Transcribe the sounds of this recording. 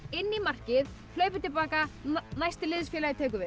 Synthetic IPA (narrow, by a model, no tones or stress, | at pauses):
ɪnːimar̥cɪð | l̥œːɥpʏ̥t̪ʰɪlpaːkanajst̪ɪlɪðsfjɛːlaɪt̪ʰɛːk̬ʏvɪ